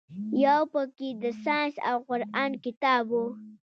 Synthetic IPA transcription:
jawpəked̪əsɑnsa̰wqʊɾɑnkɪt̪ɑbu

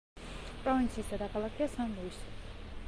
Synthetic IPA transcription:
pʼɾɔvint̪sʰiːsd̪ad̪akʰalˠakʰiasamblis

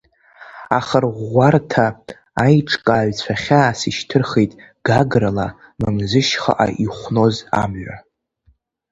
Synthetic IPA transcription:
aχərʁʷartʰaː | jʈ͡ʂʰʼkʼaːɥʷt͡sʷʰaχʲaːsiʃtʰɨrχejtʼ | ɡ̥aɡrala | mamzɨʃχa̰ʔa̰ʔiχʷno̞za̰mʕʷᶣa

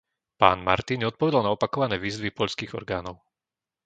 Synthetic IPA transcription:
pa̰ːnma̰ɾt̪inɛɔt̪pɔʋɛd̪alnaɔpakɔʋanɛːʋiːzʋipɔʎskiːɣɔ̰ɾɡaːnɔʊ

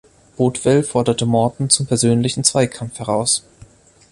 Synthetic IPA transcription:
b̥oːtv̥ɛlfɔɐdɐtəmɔɐdn̩t͡sʊmpʰɛɐzøːnlɪçn̩t͡sv̥aɪkʰamfhɛʁ̞aʊs

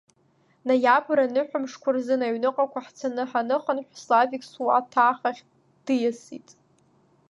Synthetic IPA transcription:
najapʰɾanɨħᶣʷamʂkʷʰʊrzɨnaɥnɨqʼakʷʰaħt͡sʰanɨħanɨχənħʷᶣslavikʲʼsuwa̰tʰaːχaχʲ | d̥ɨjasḭtʼ

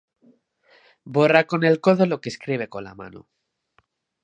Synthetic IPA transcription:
borako̞ne̞lko̞ðo̞lo̞keskɾiβ̞e̞konla̰ma̰no̰

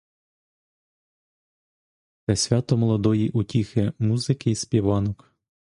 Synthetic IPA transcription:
t̪ɛsʲʋʲɑt̪ɔmɔlˠɔd̪ɔjiʔutʲixɪmuzɪkɪispʲiʋɑnɔk

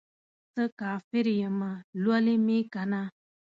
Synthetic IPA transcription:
t̪əkafeɾijəmalualimekana

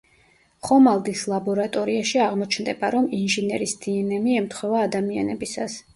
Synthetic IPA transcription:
χɔmalˠd̪islˠabɔɾat̪ʼɔɾiaʃiaʁmɔt͡ʃʰnd̪ɛbaɾɔminʒinɛɾisd̪̥iɛnɛmiɛmt̪ʰχwɛvaːd̪amia̰nɛbisas

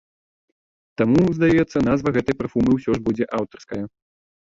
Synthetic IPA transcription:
t̪amuzd̪ajɛt̪sːɐn̪azvɐɣɛt̪ɐjpɾafumɨwsʲɔʐbud͡zʲɛʔawt̪ɐrskɐjɐ

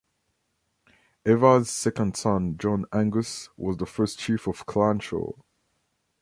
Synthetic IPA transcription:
ɛvəz̥sɛkə̃nd̥sʌ̃nd͡ʒɔ̃næ̃ŋɡəswɔzðəfɜˑ˞st͡ʃʰifɔv̥kʰlãnt͡ʃə̰

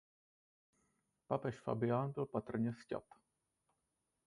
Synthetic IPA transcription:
papɛʃfa̰bɪaːnbɪlpat̪r̩ɲɛsca̰t̪

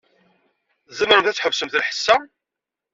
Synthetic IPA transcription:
zəmːəɾəmθæt͡sːħəvsəmθəlħə̥sːæ

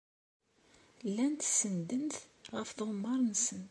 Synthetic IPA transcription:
lːænt̪sənd̪ənt̪ʁəfðəʁmːɑɾˤnsən

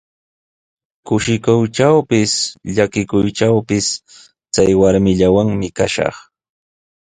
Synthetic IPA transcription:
kʊʃɪkʊwʈ͡ʂawpɪsʎakɪkʊjʈ͡ʂawpɪs | t͡sajwaɾmɪʎawaŋmɪkaʃɑ̰χ

